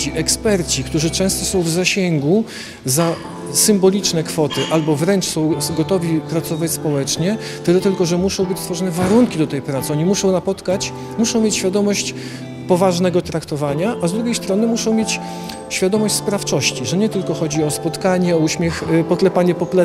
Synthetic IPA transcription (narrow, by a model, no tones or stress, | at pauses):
iʔɛkspɛɾt͡ɕikt̪uʐɘt͡ʂɛ̃w̃st̪ɔsɔ̃w̃vzaɕɛŋɡu | za | sɘmbɔlʲit͡ʂnɛkfɔt̪ɘʔalbɔvɾɛnt͡ʂsɔ̃w̃ɡɔt̪ɔvʲipɾat̪sɔvat͡ɕʲspɔwɛt͡ʂɲɛ | t̪ɘlɛt̪ɘlkɔʐɛmuʂɔ̃w̃bɘt͡ɕsfɔʐɔnɛvaɾuŋkʲid̪ɔt̪ɛjpɾat̪sɨɔɲimuʂɔ̃w̃napɔt̪kat͡ɕ | muʂɔ̃w̃mʲjet͡ɕɕfʲjad̪ɔmɔɕt͡ɕ | pɔvaʐnɛɡɔt̪ɾakt̪ɔvaɲaʔazd̪ɾuɡʲjejst̪ɾɔnɘmuʂɔ̃w̃mjet͡ɕ | ɕfʲjad̪ɔmɔɕt͡ɕʲspɾaft͡ʂɔɕt͡ɕiʐɛɲɛt̪ɘlkɔxɔd͡ʑiɔspɔt̪kaɲɛɔuɕmʲɛxpɔt̪lɛpaɲɛpɔplɛ